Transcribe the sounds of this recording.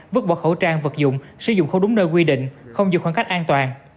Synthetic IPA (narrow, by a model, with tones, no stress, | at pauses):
vɨ˦˥k̚ɓɔ̰˧˨˩xə˧˩wt͡ɕaː˧ŋvə˨˩t̚zʊ̰˧˨ŋ͡m | sɨ˨˧˦zʊ̰˧˨ŋ͡mxə˧ɗʊ˨˦ŋ͡mnəː˧jk̬wi˧ɗḭ̈˧˨ŋ̟xə˧wŋ͡mziɨ̰˧˨xaː˧˩ŋka˦˥k̚ʔaː˧nt̪waː˨˩n